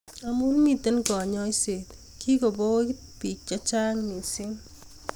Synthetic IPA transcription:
a˨mu˦nmi˦˨te˦nkɔ˨ɲɔ˦i˦se˨t̪ | kʰi˦ko˨bo˦ | pi˨k̚t͡ʃa˦t͡ʃa˦ŋni˨sɪ˦ŋ

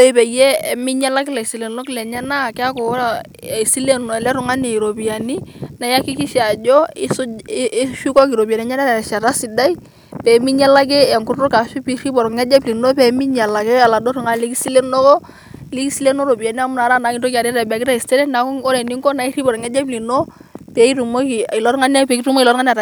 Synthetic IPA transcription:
lɔ˦i˦pɛ˨jɛ˦˨mɪ˦ɲa˦la˦k̬ɪ˦lɛ˨si˨lɛ˨nɔ˦klɛ˨ɲɛ˦na˦˨kɛ˦a˦kɔ˨˦ɾa˨ | i˨si˦le˦nɔ˨ɛ˨lɛ˦ɾʊ˨ŋa˦ne˨ɾo˨bi˨ja˨ni˦na˨ja˦ki˦ki˦ʃa˨d͡ʒɔ˦i˦ | ʃu˦kɔ˦k̬i˨ɾo˨bi˨a˨nɛ˨ɲa˦na˦lɛ˨ɛ˨ʃa˨ɾa˦si˨da˦i˦ | pɛ˨˦mi˦ɲa˦la˦ɡɛ˦a˨ŋku˦ɾɔ˦ka˨ʃu˦pi˦ɾi˦bɔ˨ɾŋɛ˦d͡ʒa˦bli˨no˦pɛ˨mi˦ɲa˨la˨ɡɛ˦a˨la˨dɔ˦ɾu˨ŋa˦˨li˦ki˦si˦le˦nɔ˦kɔ˦ | li˦ki˦si˦le˦no˦ɾo˨bi˨a˨ni˦a˦mʊ˦na˨ɾa˦na˨˦ki˦to˦ki˨a˨ɾɛ˦ɾa˨ba˨kɪ˦ɾa˦˨i˨stɛ˦ɾɛ˦na˨kɔ˦ɾɛ˨ni˦ŋkɔ˦na˨˦i˦ɾi˦bɔ˨ɾɔ˨ŋɛ˦d͡ʒa˦bli˨no˦ | pɛ˨˦i˦tu˨mo˦ki˨i˨lɔ˦ɾŋa˦na˦pɛ˨˦ki˦tu˦m˦i˨lɔ˦ŋa˦n˦a˨ɾa˨

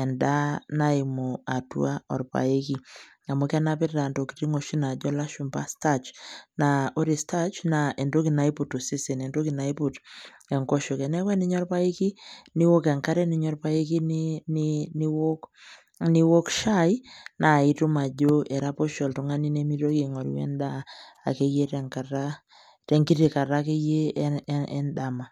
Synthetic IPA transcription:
ɛ˨nda˦na˦i˨mo˨a˨tw̰a˦ɔ̰˨ɾpa̰˨e˦ki˦ | a˨mo˦kɛ˦na˦pe˦ɾɾa˨ndo˨ki̥ɾi˦ŋo˨ʃi˦na˨ɟɔ˦la˦ʃu˨mba˦sta˦t͡ʃna˨o˦ɾi˨sta˦t͡ʃna˨e˨ndo˦ki˨na˦i˦pu˨to˨si˦se˨nɛ˨ndo˦ki˨na˨˦i˦pu˨t | ɛ˨ŋko˦ʃo˨kɛ˨nɛ˦kwɛ˦ni˦ɲɔ˦ɾpa˦i˦ki˦ni˦wo˦kɛ˨ŋka˦ɾɛ˦ni˨˦ɲɔ˦rpa˦i˦ki˦nnini˦wo˦k | ni˦wo˦kʃa˦i˦na˨i˦tu˦ma˨ɟo˦ʔɛ˨ɾa˦po˦ʃɔ˨lto˨ŋa˦ni˦ne˦mi˦to˦ki˦˨ŋɔ˨ɾḭ˦wɛ̰˦nda˦a̰˨ke˦je˦ɾɛ˨ŋka˨ɾa | tɛ˨ŋɡi˦ti˨ka˨ɾa˦ke˦je˦ɛ˦nda˨ma˨

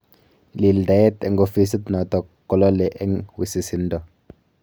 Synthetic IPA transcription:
li˨lda˨jɛ˦tɛ˨ŋɡo˦fi˦si˦t̪nɔ˨t̪ɔ˨ | kːɔ˨˦lɔ˦lɛ˨ʔɛ˦ŋwi˨si˨si˨˦n˦dɔ˨

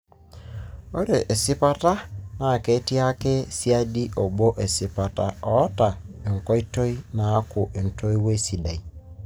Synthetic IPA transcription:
o˦ɾe˨ʔe˨si˦pa˦ta˦na˨ke˨˦ti˦a˦ke˦si˦a˦di˦ʔo˨bo˦ʔe˨si˨pa˨ta˦ɔ˨˦ta˨e˨ŋ̩˨kɔ˦i˦to˦i˦na˨˦kʊ˨ʔe˨n̩˨to˦i˦we˦si˨da˨i˨

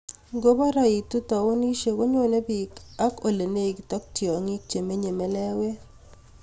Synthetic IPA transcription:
ɡo˦ba˦ɾa˦i˨tu˦ta˨wo˦ni˦ʃe˦˨ko˦ɲo˦ne˦bi˨ka˦ko˨le˨ne˦i˨kta˦k̚tjɔ˨ŋi˦k̚t͡ʃe˨me˦ɲe˨me˨lɛ˦we˦

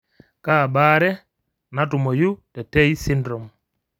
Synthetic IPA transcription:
kaː˦˨baː˦ɾɛ˦ | na˦tu˨mɔ˨ju˦tɛ˨tɛ˦i˦si˦ndɾɔ˨m

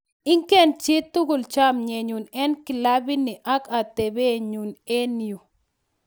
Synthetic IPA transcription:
ɪ˦ŋkɛ˦˨nt͡ʃɪ˦t̪ːʊ˦ɡʊ˨lt͡ʃa˦mɲe˨ɲu˨nɛ˦nkɪ˨la˦bɪ˦nɪ˨ʔa˦ka˨t̪ɛ˨be˦ɲu˨ne˦ni˨o˨

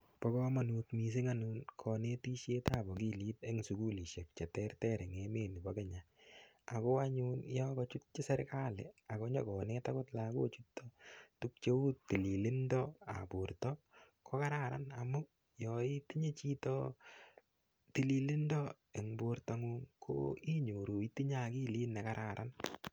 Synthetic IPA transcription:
pɔ˦kɔ˦ma˨nu˧tmi˨s̬i˦ŋa˦nu˦nkʰɔ˨ne˦ti˦ʃje˦ta˦˨bɔ˨ki˦li˦te˦ŋsu˨ku˦li˨ʃe˨k̚t͡ʃɛ˨tɛ˦ɾtɛ˦ɾe˨ŋe˦meː˨ni˨bɔ˦ke˦ɲa | a˨ko˦aɲunjɔ˦kɔt͡ʃu˦t̚t͡ʃi˦sɛ˦ɾka˦lḛ˨a˨ko˦ɲɔ˦kɔ˨ne˦takʊ˦tlako˦t͡ʃu˦tːɔtu˦k̚t͡ʃe˦u˦tːi˨li˨lɪ˦ndɔ˦a̰˨pu˨ɾtɔ | kɔ˦ka˦ɾa˦ɾa̰˦na˨mu˦ | jɔ˨i˦ti˦ɲe˦t͡ʃi˦tɔ | ti˨li˨lɪ˦ndɔ˦ | e˨ŋbo˧ɾta˨ŋu˦ŋkʰo̰˦i˦ɲo˨ɾu˨i˦ti˦ɲa˦ki˦liː˦nɛ˨ka˦ɾʔa̰˨ɾʔa˦n

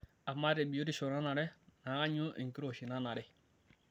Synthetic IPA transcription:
a˨ma˦ɾe˨bi˨o˦di˦˨ʃo˨na˦na˨ɾɛ˦na˨a˦ɲu˦ʔḛ˨ŋ˨ki˦ɾo˨ʃi˨na˦na˨ɾɛ˦

